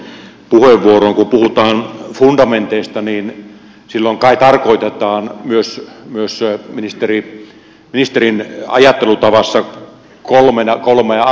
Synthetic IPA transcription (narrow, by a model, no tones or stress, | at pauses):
puheʋːuoroːŋkupuhut̪ɑːnfund̥ɑment̪eist̪ɑniːn | silːoiŋkɑˑit̪ɑrkoit̪et̪ˑɑːnmyøsmyøsminist̪eri | minist̪erinɑ̰jɑt̪ːelut̪ɑʋɑsːɑ | kolmenkolme